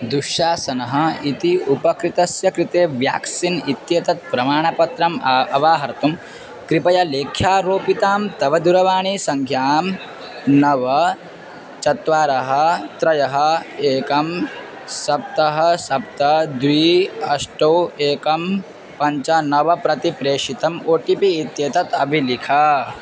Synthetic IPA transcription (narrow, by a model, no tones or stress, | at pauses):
d̪uʃjaːsɐnɐɦɐ̆it̪iupɐkɾit̪ɐsjɐkɾit̪eːʋja̰ːksinit̪jɐt̪ɐt̪̚pɾɐmaːɳɐpɐt̪ɾɐmɐʋaːɦɐɾt̪um | kɾipɐjɐleːkʰjaːɾoːpit̪aːmt̪ɐʋɐd̪uɾɐʋaːɳisɐŋkʰjaːm | nɐʋɐ | t͡ʃɐt̪ʋaːɾɐɦɐt̪ɾɐjɐɦɐeːkɐm | sɐp̚t̪ɐɦɐ̆sɐp̚t̪ɐd̪ʋiːɐʂʈɐweːkɐm | pɐɲt͡ʃɐnɐʋɐpɾɐt̪ipɾeːʂit̪ɐmoːʈipiːt̪jɐt̪ɐt̪ɐbʱilikʰɐ